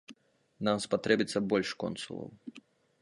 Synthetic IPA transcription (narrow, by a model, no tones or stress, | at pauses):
namspat̪ɾɛbʲit̪sːɐbɔlʲʂkɔ̰nsulˠɐ̰w